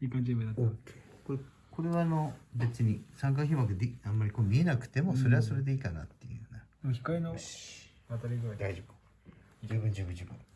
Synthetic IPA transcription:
ikãɲd͡ʑebɯat̪ko | ko̞ɾe̞βaːno̞be̞t͡sɨɲ̟isãŋk̬açʲiβakɯd̪eãmːaɾʲikoːmʲie̞nakɯ̟̥t̪e̞mo̞so̞ɾe̞βaso̞ɾe̞d̪e̞iːkana̰t̪ːejɯ̰nad̪moçi̥kaino | at̪aɾʲiɡɯad̪aid͡ʑob̥ɯ̥ | d͡ʑɨːbɯ̟̃ɲd͡ʑɨːbɯ̟̃ɲd͡ʑɨːbɯ̰̃

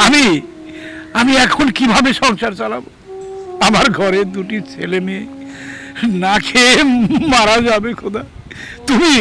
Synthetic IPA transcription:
ami | amiɛkʰonkibʱabeʃɔŋʃaɾt͡ɕalabo | amaɾɡʱɔɾed̪uʈit͡ɕʰelemie | nakʰemaɾad͡ʑabekʰod̪a | t̪umi

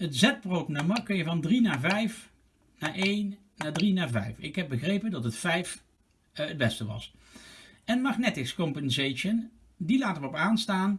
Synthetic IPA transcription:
ətzɛt̚browtnamɑkːɵjəvɑndrinaːvɛjf | naːɹʔejnː | aːdrinaːvɛ̰jfɪkɦɛp̚bəɣrejpəndɑtətfɛjf | əd̚bɛstəʋɑ̰s | ɛnmɑxnɛtɪxskɔmpənzejʃən | dilaːtəʋəɔpaːnstaːn

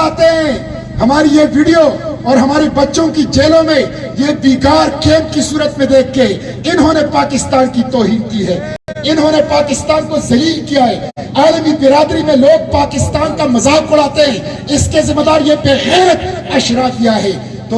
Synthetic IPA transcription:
aːt̪eɦɛ̃ | hɐmaːɾijeʋiːɖijoɔːɾɦɐmaːɾebɐtːʃõkid͡ʒeːlõmẽ | jeb̪iːkaːɾkeːmpkisuːɾət̪mẽd̪eːk̚ʰt̪eɦɛ̃ | ɪnɦõːnepaːkɪst̪aːnkit̪ɔːɦiːnkiɦɛː | ɪnɦõːnepaːkɪst̪aːnkozɐliːlkijaɦɛː | aːlmibɪɾaːd̪ɾimẽloːɡ̚paːkɪst̪aːnkamɐzaːkːʊɽ̤aːt̪eɦɛ̃ː | ɪskezɪ̃mad̪aːɾjebeːɣeːɾt̪̚ɐʃɾakijaɦɛː | t̪o

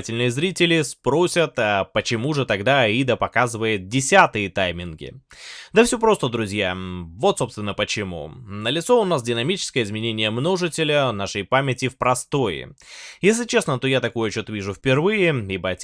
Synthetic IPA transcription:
tʲɪlʲnɨjəzɾʲitʲɪlʲɪspɾo̞sʲət̪apət͡ɕɪmuʐɨt̪ɐɡd̪aid̪əpɐkazɨvəjɪt̪̚dʲɪsʲat̪ɨjət̪ajmʲɪnɡʲɪ̰d̪əfsʲopɾo̞st̪əd̪ɾʊzʲjavo̞t̪so̞pst̪vʲɪnːəpət͡ɕɪmṵnəlʲɪt̪so̞ʊnasdʲɪnɐmʲit͡ɕɪ̥skəjəɪzmʲɪnʲenʲɪjəmno̞ʐɨtʲɪlʲənaʂəjpamʲɪtʲːɪfpɾɐst̪o̞jɪ̰jesʲlʲɪt͡ɕe̞snət̪ojat̪ɐko̞jət͡ɕot̪vʲiʐʊfʲpʲɪrvɨjɪibəɐtʲ

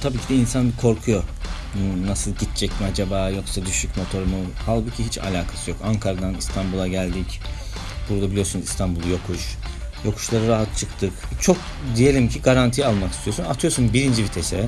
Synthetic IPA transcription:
t̪ʰabiːcʰid̪ɛinsankʰo̞ɾkʰujo̞ | unasɯlˠɟit̪t͡ʃʰɛcmiad͡ʒabaːjo̞ksad̪yʃycmo̞t̪ʰo̞ɾumuhalˠbucʰiɦit͡ʃʰa̰lʲaːkʰḁsɯjo̞kaŋkʰaɾad̪anist̪ʰanbulˠaɟælʲd̪ic | b̥uɾd̪abilʲijo̞ɾsunist̪ʰanbulˠujo̞kʰuʃjo̞kʰu̥ʃlˠaɾɯɾaɦat̪t͡ʃʰɯkt̪ʰɯkt͡ʃʰo̞k | d̪ije̞lʲimcʰiɡaɾant̪ʰijalˠmaki̥st̪ʰijo̞sunat̪ʰɯjosunbiɾind͡ʒivit̪ʰesɛ

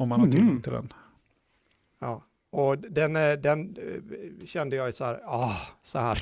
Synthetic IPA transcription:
ɔmanɪŋt̪ʰəd̪ɛ̰n | ɑː | ɔd̪ɛnd̪ɛn | ɕɛnd̪əjɑːɡsɔhæːɾɑːsɔhæːɾ

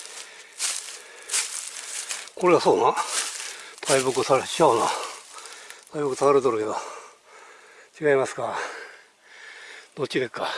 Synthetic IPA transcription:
ko̞ɾe̞ɡaso̞ːnã | t̪ʰaibokɯsaɾeɕiana̰ | t̪ʰaibɯkɯ̟sakaɾet̪oɾɯked̪o | t͡ɕiɡaimasɨ̥ka | d̪̥ott͡ɕid̪ekːa

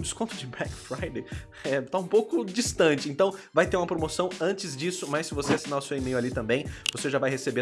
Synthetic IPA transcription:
d͡ʒiskõt̪ʊd͡ʒɪbɾɛkfɾajd̪ej | ɛt̪aũpowkʊd͡ʒist̪ɐ̃t͡ʃɪẽnt̪ɐ̃w̃vajt̪eɾũmɐpɾomosɐ̃w̃ɐ̃nt͡ʃɪzd͡ʒisʊmɐsɪvoseasinaɾʊsewimejʊalit̪ɐ̃mbẽj̃voseʒavajhesebe

